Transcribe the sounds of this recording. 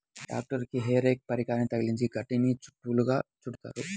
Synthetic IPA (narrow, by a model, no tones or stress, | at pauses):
ɖa̰ːk̚ʈɐɾkiɦeːɾeːk̚pɐɾikaːɾɐnit̪ɐɡiliɲt͡ʃiɡɐʈːinit͡ʃu̥ʈːuluɡa̰ːt͡ʃuɽut̪a̰ːɾu